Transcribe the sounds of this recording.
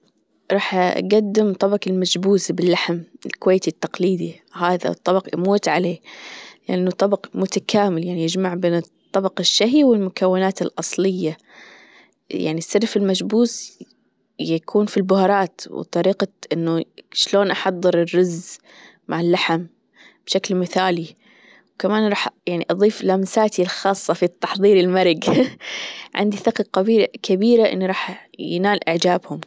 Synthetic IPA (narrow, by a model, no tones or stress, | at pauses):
ɾˤɑːħʔa̰ɡad̪ːɪmt̪ˤːɑbɑqɪlmad͡ʒbuːsbɪlːaħmɪlkʊweːt̪it̪ːɑqliːd̪i | haːða̰t̪ˤːɑbɑqʔmuːt̪ʕaleːlɪʔanːʊt̪ˤːɑbɑqmʊt̪akʰaːmɪljaʕnijɪd͡ʒmaʕbeːnɨtt̪ˤːɑbɑqɪʃːaɦiwɪlmʊkawːɪnaːt̪ɪlʔɑsˤlɪjːa | ja̰ʕnisːɑɾˤfɪlmad͡ʒbuːs | jakʰuːnfilbʊhɑɾˤɑːt̪w̰t̪ˤɑɾiːqɑʔɪnːʊʃloːnʔɑħɑðˤːɨɾɪrːʊz | maʕɪlːaħam | b̥ʃaklmɪθaːli | wkamaːnɾˤɑːħjaʕniʔɑðˤiːflamsaːt̪ilxɑːsˤːɑfit̪ːɑ̥ħðˤiːɾɪlmɑɾˤɪɡ | ʕɪ̰nd̪iθɪqɑqabiːkabiːɾaʔɪ̰nːiɾˤɑːħjɪ̰naːlʔɪ̰ʕd͡ʒaːbhʊm